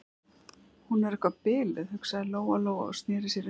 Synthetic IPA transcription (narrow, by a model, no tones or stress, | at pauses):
hunɛɾɛhkvapɪːlɪðhʏksaðɪloːwaloːwa̰ɔ̰st̪nɛːɾɪsjɛɾɪ